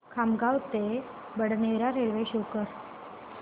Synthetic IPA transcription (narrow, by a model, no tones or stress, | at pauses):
kʰamɡawt̪e | bəɽneʋɾaɾelʋeɕukəɾ